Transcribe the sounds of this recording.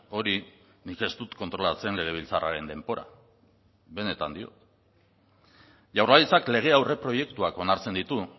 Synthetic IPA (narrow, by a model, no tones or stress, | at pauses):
o̞ɾi | nike̞st̪ut̪ko̞nt̪ɾo̞lat͡se̞nle̞ɣ̞e̞β̞ilt͡saraɾe̞nd̪e̞mbo̞ɾa̰ | βe̞ne̞t̪a̰nd̪io̞̰t̪ | ʝawrlalit͡sakle̞ɣ̞e̞awre̞pɾo̞je̞kt̪uakonaɾt͡se̞nd̪it̪u